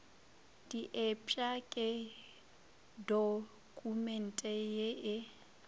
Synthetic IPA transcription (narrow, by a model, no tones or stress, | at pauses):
d̥iʔɛpʼakʼɪ | do | kʼumɛn̩tʼɛjeʔɪ